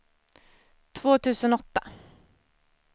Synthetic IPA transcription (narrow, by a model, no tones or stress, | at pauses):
t̪ʰv̥oːt̪ʰʉ̟ːsənɔt̪ːa